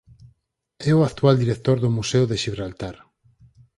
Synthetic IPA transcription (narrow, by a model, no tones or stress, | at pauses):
ɛʊakt̪wald̪iɾek̚t̪oɾðʊmuseʊðeʃiβɾalt̪aɾ